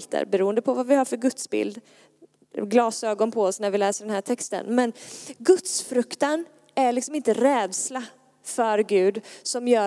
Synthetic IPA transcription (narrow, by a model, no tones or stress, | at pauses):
t̪ʰə̰ɾbɛɾuːənd̪əpʰɔvavɪhɑːɾfœɾɡɵt̪sbɪ̰ld̪ | ɡlɑːsøːɡɔnpʰɔɔsnæɾvɪlɛːsəɖɛnhæːʈʰɛkst̪ə̰nmɛnɡɵt̪sfɾɵkt̪an | æɾɭɪksɔmɪnt̪əɾɛːd̪sla | fœɾɡʉ̟ːd̪sɔmjœː